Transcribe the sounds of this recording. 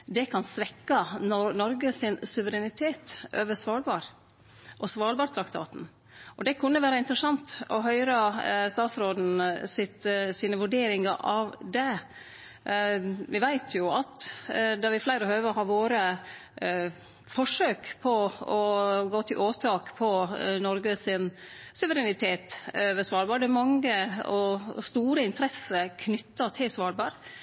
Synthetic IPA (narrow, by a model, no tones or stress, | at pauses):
d̪ɛkʰɑnsʋɛkːɑnnɔɾɡəsɪnsʉʋəɾɛnɪt̪ʰeːt̪ø̰ːʋəsʋɑːɭbɑːɾ | ʔɔsʋɑːlbɑːɾt̪ʰɾɑkt̪ʰɑ̰ːt̪n̩ | ʔɔd̪ɛkʰʉnːəʋæːɾɑɪnt̪ɾəsɑnt̪ɔɦœʏɾɑst̪ɑːt̪sɾoːd̪n̩sɪt̪siːnəʋʉɖeːɾɪŋɑɾʔɑʋd̪ɛ | ʋɪʋæɪt̪ʰjʊɑt̪d̪ɑːʋɪflæɪɾəhœʏʋəhɑːɾʋoːɾə | fɔʂøːkpʰɔɔɡoːt̪ʰɪlʔoːt̪ʰɑːkpʰɔnɔɾɡəsɪn | sʉʋəɾɛnɪt̪ʰeːt̪øʋəsʋɑːɾbɑːɾɖɛmɑŋːəɔst̪uːɾəɪnt̪ʰɾɛsəkʰnʏt̪ːɑt̪ʰɪlsʋɑːɾbɑːɾ